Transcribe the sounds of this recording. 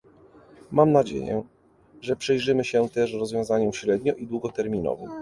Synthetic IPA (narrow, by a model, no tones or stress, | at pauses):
mamnad͡ʑḛjɛ̰ | ʐɛpʂɛjʐɘmɘɕɛt̪ɛʂɾɔzvʲjɔ̃w̃zaɲɔmɕɾɛd̪ɲɔʔid̪wuɡɔt̪ɛɾmʲinɔ̰vɨ̰m